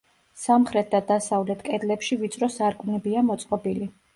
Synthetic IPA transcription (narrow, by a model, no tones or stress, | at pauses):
samχɾɛt̪̚d̪ad̪asavlɛt̪ʰkʼɛd̪lɛpʃivit̪sʼɾɔsaɾkʼunɛbiamɔt̪sʼqʼɔbili